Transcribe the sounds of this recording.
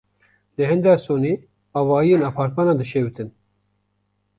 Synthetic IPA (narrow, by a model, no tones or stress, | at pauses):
d̪ɨɦɨnd̪æsoːniː | ɑːvɑːijeːnɑːpʰɑːɾt̪mɑːnɑːd̪ɨʃewɨt̪ɨn